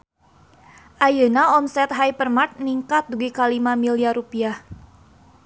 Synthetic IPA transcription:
ʔajənaɔmsɛt̪̚ɦajpərmat̪̚niŋkat̪̚duɡikalimamiliaɾupiah

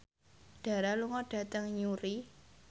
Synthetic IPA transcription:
ɖ̥a̤ɾaluŋɔɖ̥ä̤t̪əŋɲuɾi

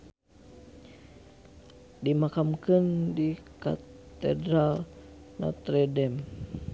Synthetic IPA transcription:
dimakamkɨndika̰t̪ɛ̰dɾal | na̰t̪ɾɛdɛm

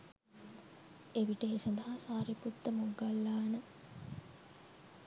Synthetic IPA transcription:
eʋiʈəesɐnd̪ɐɦasaːɾiput̪ːəmoɡalːaːnə

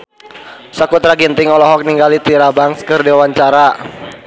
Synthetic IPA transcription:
sakut̪ɾaɡint̪ɪŋɔlɔɦɔk̚niŋɡalit̪iɾabaŋskɨrdiawaɲt͡ʃaɾa

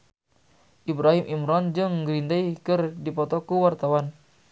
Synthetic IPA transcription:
ʔibɾaɦimʔimɾɔnd͡ʒɨŋɡɾindajkɨrdipɔt̪ɔkuwart̪awan

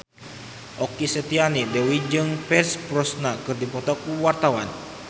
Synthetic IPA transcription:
ʔɔkisɛt̪ianidɛwid͡ʒɨŋpɛrspɾɔsnakɨrdipɔt̪ɔk̚uwart̪awan

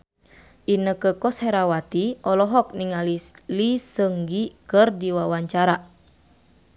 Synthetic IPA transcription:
ʔinəkəkɔshɛɾawat̪iʔɔlɔɦɔk̚niŋalilisəŋɡikərdiwawaɲt͡ʃaɾa

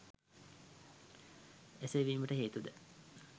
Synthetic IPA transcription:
eseʋiːməʈəɦeːt̪ud̪ə

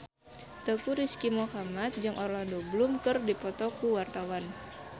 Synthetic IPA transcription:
t̪əkuɾiskimohamat̪̚d͡ʒɨŋʔɔrlandobəlʊmkərdipɔt̪ɔkuwart̪awan

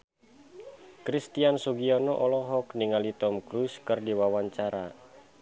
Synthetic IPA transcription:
kɾist̪iansuɡiɔnɔʔɔlɔɦɔkniŋalit̪ɔmkɾuskɨrdiwawaɲt͡ʃaɾa̰

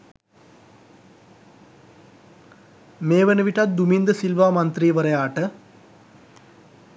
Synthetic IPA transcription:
meːʋenɐʋiʈɐt̪̚d̪umind̪əsilʋaːmɐnt̪riːʋəɾɐjaːʈə

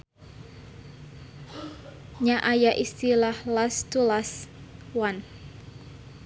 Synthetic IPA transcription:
ɲaʔajaʔist̪ilahlast̪ulaswan

